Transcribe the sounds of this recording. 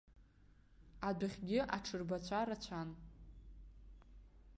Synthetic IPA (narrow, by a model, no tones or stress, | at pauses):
adaχʲɡʲɪʔaʈ͡ʂʰɨrbat͡ɕʷʰaɾat͡ɕʷʰan